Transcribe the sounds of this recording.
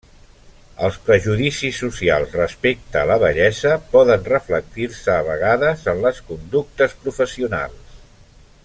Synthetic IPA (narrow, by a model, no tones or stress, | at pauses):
əlˠspɾəʒuðisisːusialˠzrəspek̚t̪əːləβəʎɛzəpɔðənrəflək̚t̪irsəːβəɣ̞aðəzənləskund̪uk̚t̪əspɾufəsiuna̰lˠs